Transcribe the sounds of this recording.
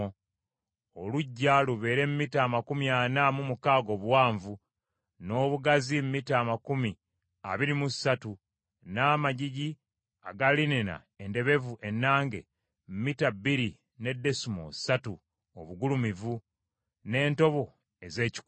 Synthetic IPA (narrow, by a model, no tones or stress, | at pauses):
oluɟːaluβe̞ːɾe̞mumitaːmakumianamumukaːɡo̞βwaːɱvu | no̞ːβuɡazimmitaːmakumi | a̰βiɾimusatu | namaɟiɟi | aɡalinina̰ | ende̞βe̞vuʔe̞nːaːŋɡe̞̰ | mumitabiɾi | ne̞dːe̞sumo̰satu | o̰βuɡulumivu | ne̞ːnto̞βo̞ | e̞ze̞ːci̥k